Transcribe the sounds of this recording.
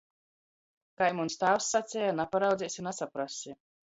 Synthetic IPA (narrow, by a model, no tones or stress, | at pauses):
kajmunst̪aːwsːat̪sʲɛjanapaɾawd̪ʲijsʲinasapɾasʲi